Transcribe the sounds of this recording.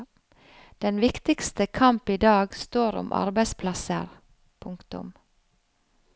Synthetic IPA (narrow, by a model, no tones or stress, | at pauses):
d̪̥ɛnʋɪkt̪ɪkst̪əkʰɑmpiːd̪ɑːɡst̪oːɾʊ̰mʔɑ̰ɾbæɪspʰlɑsə̰ɾ | pʰʊŋkt̪ʊ̰m